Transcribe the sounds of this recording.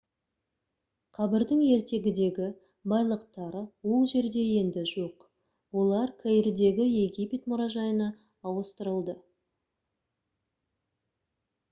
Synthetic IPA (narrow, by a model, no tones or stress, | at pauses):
qʰɑbɪɾd̪ɪŋe̞ɾt̪e̞ɡʲɪd̪e̞ɡʲɪ | bɑjlˠəqt̪ɑɾəwo̞lˠʒe̞ɾd̪e̞je̞nd̪ɪʒo̞q | wo̞lˠɑɾkʰejɾd̪e̞ɡʲɪje̞ɡʲijpʲe̞t̪mʊɾɑʒɑjənɑ | ɑwəst̪əɾəlˠd̪ə